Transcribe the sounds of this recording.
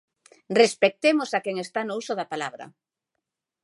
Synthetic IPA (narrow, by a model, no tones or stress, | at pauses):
respek̚t̪emosakeŋest̪anousoðapalaβɾɐ̰